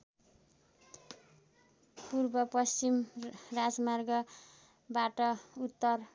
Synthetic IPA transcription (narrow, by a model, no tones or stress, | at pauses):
purbʌpʌst͡simrad͡zmarɡʌ | baʈʌut̪ːʌr